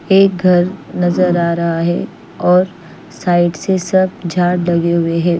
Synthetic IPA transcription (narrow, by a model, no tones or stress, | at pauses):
eːk̚ɡʱɐɾnɐzəɾaːɾɐɦaɦɛ̰ | ɔːɾ | saːɪɖsesɐb̚d͡ʒʱaːɽlɐɡeɦʊeɦɛː